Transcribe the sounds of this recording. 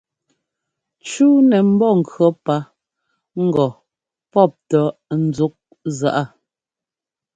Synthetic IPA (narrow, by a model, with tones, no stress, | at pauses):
t͡ʃuː˦nɛ˨m̩˦bɔ˦˨ŋ̩˨kɰɔ˨˦pa˦ | ŋ̩˦ɡɔ˨ | pɔ˦˨p̚tɔ˨n̩˨d͡zu˦k̚ | za˨ʔa˦